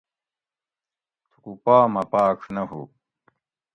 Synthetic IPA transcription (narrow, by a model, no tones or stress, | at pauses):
t̪ʰu̥kupaːmɐpaːkʂnɐɦṵ